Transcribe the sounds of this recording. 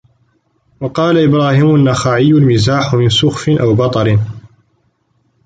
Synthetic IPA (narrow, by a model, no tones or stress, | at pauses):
wɑqɑːlaʔɪbɾaːhiːmanːaxaːʕɪjːʊlmɪzaːħʊmɪnsʊxfɪnʔawbɑt̪ˤɑɾɪn